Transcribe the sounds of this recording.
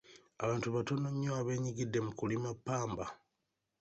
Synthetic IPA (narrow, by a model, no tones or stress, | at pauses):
a̰βaːntuβato̞noɲːoaβe̞ːɲiɡidːe̞mukulimapːaːmba